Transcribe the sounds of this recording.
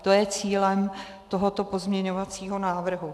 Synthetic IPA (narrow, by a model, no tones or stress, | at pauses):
t̪o̞jɛt͡siːlɛm | t̪o̞ɦot̪o̞po̞zmɲɛɲo̞vat͡siːɦo̞naːvr̩ɦu